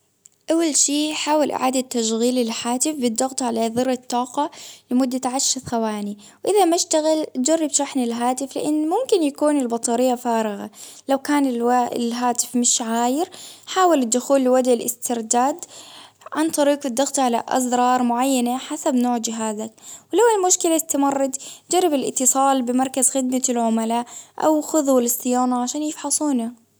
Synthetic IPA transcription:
ʔawːalʃiːħaːwalʔɪ̰ʕaːd̪at̪ːaʃɣiːlɪlħaːt̪ɪfbɪd̪ːɑɣt̪ˤʕalaðɨrːɑt̪ˤːɑːqɑlɪmʊd̪ːat̪ʕaʃːaθxawaːni | wʔɪðamaʃt̪aɣɪld͡ʒarˤːɑbʃaħnɪlɦaːt̪ɪflɪ̰ʔanːmʊmkɪnjakuːnɪlbɑt̪ˤɑɾɪjːafaːɾˤɪɣa̰lawkaːnɪaɪ̰lɦaːt̪ɪ̥fmɪʃʕaːjɪɾħaːwalɪd̪ːʊxuːlːɪwad̪ɪlʔɪ̰st̪ɪɾd̪aːd̪ | ʕant̪ˤɑɾiːqɪd̪ːɑɣt̪ʕala̰ʔɑ̰zɾˤɑːɾˤmʊʕajːanaħasabnoːʕd͡ʒɪɦaːzawɪlawɪlmʊʃkɪlat̪ːamɑrˤːɑd̪d͡ʒɑrˤːɪbɪlʔɪ̰t̪ːɨsˤɑːlbɪmɑɾˤkazxɪd̪malʕʊmalaːʔʔa̰wxʊðwalɪsːɪjaːnaʕaʃaːnjɪfħɑsˤuːna

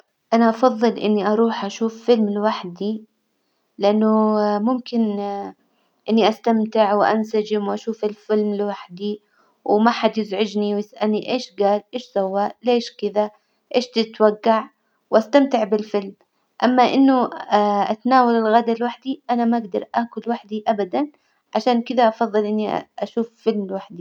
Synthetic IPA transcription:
ʔanaʔɑfɑðˤːɨlʔɪ̰nːiʔɑɾˤuːħʔaʃuːffɪlmlwaħd̪i | lɪʔanːʊmʊmkɪn | ʔɪnːiʔast̪amt̪ɪʕwɪʔa̰nsad͡ʒɪmwʔaʃuːfɪlfɪlmlwaħd̪i | wmaħad̪jɪzʕʊd͡ʒniwjɪsʔalniʔeːʃɡaːlʔeːʃsawːaʔleːʃkɪða | ʔeːʃt̪ɪt̪waɡːaʕ | wʔast̪amt̪ɪʕbɪlfɪlm | ʔamːaʔɪnːʊʔa̰t̪naːwalɪlɣaːd̪alwaħd̪iʔanamaʔaɡd̪ɑɾˤʔaːkʊlwaħd̪iʔabad̪an | ʕaʃaːnkɪd̪aʔɑfɑðˤːɨlʔɪnːiʔaʃuːffɪlmlwaħd̪i

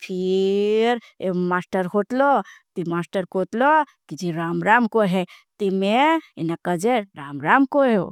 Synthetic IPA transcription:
pʰi | ɾ | emasʈəɾɦoʈlɔt̪imaːsʈəɾkoʈ̪lɔ | kid͡ʒiɾamɾamkoɦet̪imeenakəd͡ʒeɾamɾamkoɦe

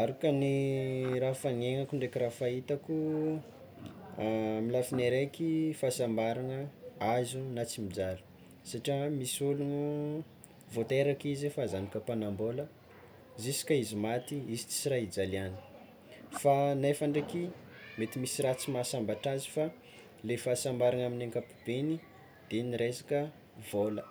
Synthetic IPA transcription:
aɾukaniɾafaŋeŋakuɳɖ͡ʐekirafait̪aku | milafineɾekifasambaɾanəazunat͡simid͡zalu̥ | saʈ͡ʂiamisulunu | vot̪eɾakizefazanikapanambolə | zisi̥kʲaizimat̪iizit͡si̥siɾaid͡zaliani̥ | fanefaɳɖ͡ʐeki | met̪imisirat͡simasambaʈ͡ʂazi̥fa | lefasambaɾanaminaŋkapi̥b̥eni | d̪̥eniɾesḁkə | volə

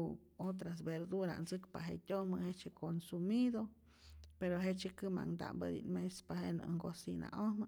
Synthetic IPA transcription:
ot̪̬ɾas̬beɾd̪uɾa̰nsɨkpaɦet̪ʲonmɨhet͡ʃekonsumid̪o | peɾoɦet͡ʃekɨma̰ŋd̪a̰mbəd̪ḭnmespahenɨ̰ŋɡosina̰ʔohmɨ

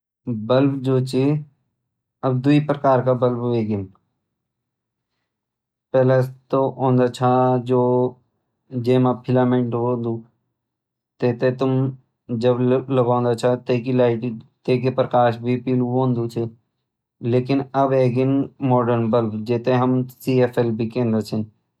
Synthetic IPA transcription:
bəlbd͡ʒoːt͡ʃʰi | əb̚d̪uipɾəkaːɾkabəlbeːɡɪn | pɛːlat̪oʔõːnd̪at͡ʃʰad͡ʒoː | d͡ʒeːmãpʰɪlaːmẽɳʈɦoːnd̪ũː | t̪eːt̪et̪ʊm | d͡ʒəbləɡãːnd̪at͡ʃʰat̪eːkilaːɪʈit̪eːk̬epɾəkaːʃbʱipiluɦõːnd̪ũt͡ʃʰe | leːkɪnəbeːɡɪnmɔːɖəɾnbəlbd͡ʒeːt̪eɦəmsiːeːpʰeːlbʱikẽːnd̪ət͡ʃʰɪn

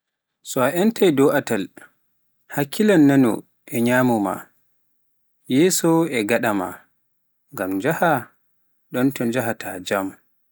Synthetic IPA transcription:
sɔaʔɛntajdɔʔatal | hakʰːilanːanɔ̰ | ʔɛɲaːmuma̰ | jɛsɔɛɡaɗama̰ | ŋɡamd͡ʒaha | ɗɔntɔnd͡ʒaɦatad͡ʒam

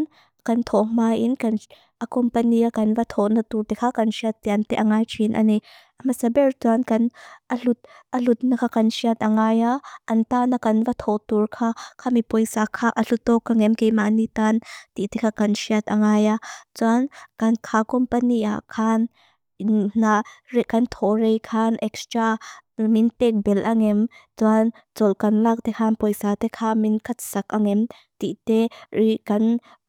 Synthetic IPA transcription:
n | kɐnt̪ʰɔmaːjʔinkɐn | ʔakɔmpəniakɐnvat̪ʰɔʔnɐt̪ut̪ɛkʰakɐnsiat̪ːiant̪ɛʔaŋaːjt͡ʃʰinʔɐ̰ni | ʔɐmɐsɐbɛrt͡suankɐnʔɐlut̪̚ʔɐlut̪̚nɐkʰakɐnsiat̪̚ʔɐŋaːjaʔɐnt̪aːnakɐnvɐt̪ʰɔt̪urkʰaːkʰamipɔjsakʰaʔɐɬut̪ːɔkːaŋɛmkejmanit̪ant̪iʔt̪ɛkʰakɐnsiat̪̚ʔɐŋaːjat͡suankɐnkʰakɔmpəniʔa̰ʔkʰan | nnarɛʔkɐnt̪ʰɔrejkʰanʔɛkst̪ɾamint̪ɛk̚bɛlʔaŋɛmt͡suan | t͡sɔlkɐnlak̚t̪ɛkʰanpɔjsat̪ɛkʰaminkʰɐt̪̚sɐk̚ʔaŋɛm | t̪iʔt̪ɛikɐn

